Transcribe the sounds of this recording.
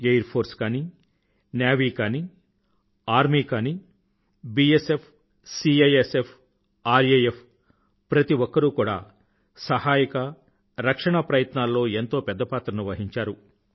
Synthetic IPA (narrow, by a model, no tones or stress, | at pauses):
ejɐɾpʰoːɾskaːni | njaːʋiːkaːni | aːɾmiːkaːni | biesepʰ | siːejesepʰ | aːɾejepʰ | pɾɐt̪iʋɔkːɐɾukuːɽa̰ː | sɐhaːjikɐ | ɾɐkʂɐɳɐpɾɐjɐt̪naːlːo̞ːe̞nt̪o̞ːpɛd̪ːɐpaːt̪ɾɐnuʋɐɦiɲt͡ʃaːɾu